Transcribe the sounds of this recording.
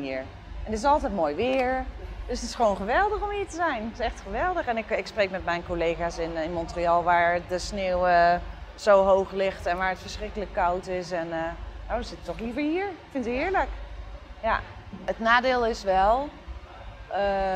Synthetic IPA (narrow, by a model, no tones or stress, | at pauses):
iːəɹ | ɛndtɪsɑlˠtɛjt̚moːjʋɪːəɹd̥øsətɪ̥sχəʋoːnχəʋɛlˠdəχɔmɦiːəɹtəzɛjntɪ̥sɛxtχəʋɛlˠdəχɛnɪkɪksprejkmɛtmɛjnkolejɣaːsɪnɪnmɔntriɑlˠʋaːɹdəsneəwəz̥owɦowχlɪxtɛnʋaːɹətfəɹsrɪkələkːawtɪsɛnənowdəz̥ɪtətːɔχlivəɹɦiːɹkfɪntɪːəɹləkja̰ətnaːdɪːlˠɪsʋɛlˠ | ʔə